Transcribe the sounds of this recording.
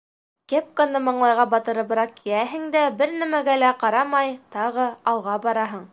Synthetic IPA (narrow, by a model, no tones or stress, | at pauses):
kep̚konːɤmɤ̆ɴlˠɑjʁɑbɑt̪ɤ̆ɾɤ̆bɤ̆ɾɑq̚kijæɦɘ̆ŋd̪æbɘɾnæmæɡælæqɑɾɑmɑjt̪ɑʁɤɑlˠʁɑbɑɾɑɦɤɴ